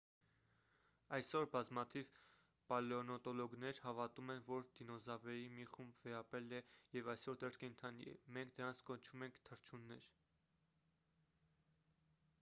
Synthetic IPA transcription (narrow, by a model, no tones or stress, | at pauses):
ɑjsɔɾbɑzmɑt̪ʰiv | pɑlɔnɔt̪ɔlɔɡnɛɾhɑvɑt̪umɛnvɔɾd̪̥inɔzɑvɛjimiχumbvɛɾɑpɾɛlɛjɛvɑjsɔɾd̪ɛɾkɛnt̪ʰɑnḭɛ̰mɛŋkʰd̪əɾɑnt͡sʰkɔnt͡ʃʰumɛŋkʰt̪ʰəɾt͡ʃʰunːɛɾ